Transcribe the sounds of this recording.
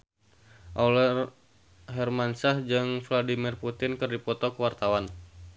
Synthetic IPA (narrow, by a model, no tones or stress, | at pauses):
ʔalɛr | ɦɛrmansahd͡ʒɨŋfladimirput̪ɪnkɨrdipɔt̪ɔkuwart̪awan